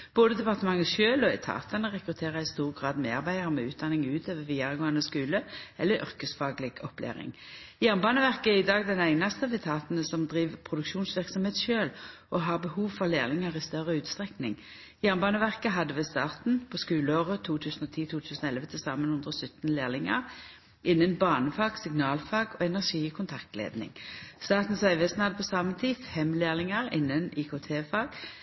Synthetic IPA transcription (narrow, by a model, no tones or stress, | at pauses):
b̥oːd̪əd̪ɛpɑʁt̪əmɑŋːəʃøːlɔɛ̰t̪ʰɑ̰ːt̪ʰɑnəʁɛkʁʉt̪ʰeːʁəʁɪst̪uːʁɡʁɑːd̪meːɑʁbæɪʁmɛʉːt̪̚d̪ɑnːɪŋʉːt̪ʰøːʋəʋiːɑʁəɡoːɑnəskʉːləɛlːəʁʔʏ̰ʁkəsfɑːɡlɪɡɔplḛːʁɪ̰ŋjæːʁnbɑːnəʋæʁkəæʁɪd̪ɑːɡd̪ɛnæɪnɑst̪əʋɛt̪ʰɑːt̪n̩əsɔmd̪ʁiːʋpʰʁʊd̪ʉkʃuːnsʋɪʁksɔmheːt̪sʃøːlʔɔɦɑːʁbəhuːʋfɔʁleːʁnɪŋɑʁɪst̪œʁːəʉːt̪st̪ʁɛknɪŋ | jæːʁnbɑːnəʋæʁkəɦɑd̪ːəʋɛst̪ɑːʁt̪n̩pʰɔskʉːləoːʁət̪ʰuːt̪ʰʉːsn̩ɔːt̪ʰiːt̪ʰuːt̪ʰʉːsnɔɛlʋət̪ʰɪlsɑːmənhʊnd̪ʁəsʏt̪n̩leːʁlɪŋɑ̰ʁ | ʔɪnːənbɑːnəfɑːɡsɪɡnɑːlfɑːɡɔːɛnæʁʂiːkʰʊnt̪ʰɑkt̪lḛːd̪nɪ̰ŋst̪ɑːt̪n̩sœʏʋɛsnhɑd̪ːəpʰɔsɑːmət̪ʰiːfɛmleːʁlɪŋɑʁɪ̰nːəniːkʰoːt̪ʰeːfɑːɡ̥